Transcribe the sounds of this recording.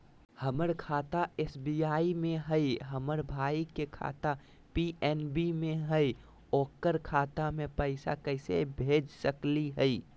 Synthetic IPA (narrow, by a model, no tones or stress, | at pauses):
həməɾkʰaːt̪aesbijaimẽɦəiɦəməɾbʱaikekʰa̰t̪a | piʔɛnbimẽɦəi | okːəɾkʰaːt̪amepəɪsa̰kəɪsḛbʱed͡ʒsəkliɦəi